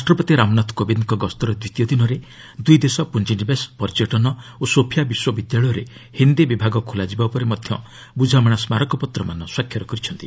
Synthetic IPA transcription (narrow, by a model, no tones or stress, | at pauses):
ɾasʈɾɔpɔt̪iɾamnat̪ʰkobinkɔɡɔst̪ɔɾɔd̪ɾit̪ijɔd̪inɔɾe | d̪ujd̪esɔpunt͡ʃinibespɔɾit͡ʃɔʈɔnɔosopʰjabiswɔbid̪jaɭɔjɔɾe | hind̪ibibʱaɡɔkʰulad͡ʒibaupɔɾemɔd̪ʱjɔ̰ | bud͡ʒʱamɔɽ̃asmaɾɔkɔpɔt̪ɾɔmanɔswakʰːjɔɾɔkɔɾit͡ʃʰɔnt̪i